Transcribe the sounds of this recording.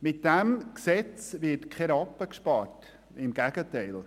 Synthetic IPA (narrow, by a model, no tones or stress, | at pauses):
mɪt̚d̥ɛmksɛt͡sʋɪtkχɛɾɑpːəkʃpɑɾt | ɪmɡ̥æɡ̥ətɛɪl